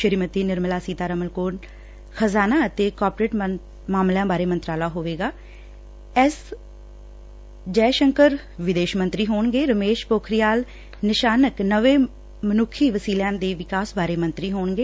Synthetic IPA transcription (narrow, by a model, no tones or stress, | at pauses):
ʃəɾiːmət̪iːnɪɾməlaːsiːt̪aːɾəməlkoːɾn | xʰəzaːnaːət̪eːkɔːɾpɾeːʈ | maːmljãːbaːɾeːmənt̪ɾaːlaːɦoːʋeːɡaː | ɛs | d͡ʒɛːʃəŋkəɾ | ʋɪd̪eːʃmənt̪ɾiːɦoːɳɡeːɾəmeːʃpoːkʰɾɪjaːl | nɪʃaːnəknəʋeː | mənʊkʰːiːʋəsiːljãːnd̪eːʋɪkaːsbaːɾeːmə̃nt̪ɾiːɦoːɳɡeː